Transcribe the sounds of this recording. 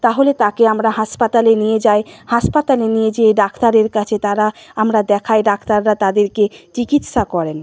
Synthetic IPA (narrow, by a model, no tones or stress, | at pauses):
t̪aɦolet̪akeamɾaɦaʃpat̪alenijed͡ʑaehaʃpat̪alenijed͡ʑeɖakt̪aɾeɾkat͡ɕʰet̪aɾaamɾad̪ɛkʰajɖakʰt̪aɾːat̪ad̪eɾket͡ɕikit̪ʃakɔɾen